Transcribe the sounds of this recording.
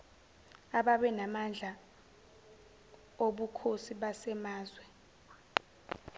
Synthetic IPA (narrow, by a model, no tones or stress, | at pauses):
aɓaɓɛnamand͡ɮʱa | oɓukʰosiɓasɛmaːzwɛ